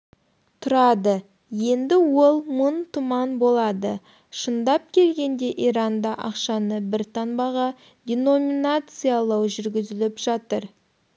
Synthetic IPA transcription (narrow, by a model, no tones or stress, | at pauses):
t̪ʰʊɾɑd̪ə | je̞nd̪ɪwo̞lˠmʊnt̪ʰʊmɑnbo̞lˠɑd̪ə | ʃənd̪ɑp̚kʲʰe̞lɡʲe̞nd̪e̞ʔiɾɑnd̪ɑʔɑqʃɑnəbɪɾt̪ʰɑnbɑʁɑ | d̪ʲeno̞mʲinat̪sɨjalˠɑwʒʏɾɡʲɪzɪlɪpʒ̥ɑt̪əɾ